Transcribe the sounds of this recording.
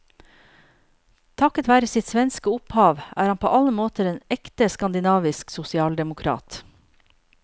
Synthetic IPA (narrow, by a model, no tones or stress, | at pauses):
t̪ʰɑkət̪ʋæːɾəsɪt̪sʋɛnskəʊphɑːʋæ̰ːɾhɑnpʰo̰ːʔɑləmoːt̪əɾeːnɛkt̪əskɑnd̪ɪnɑːʋɪsksʊsɪɑːld̪ɛmʊkʰɾɑ̰ːt̪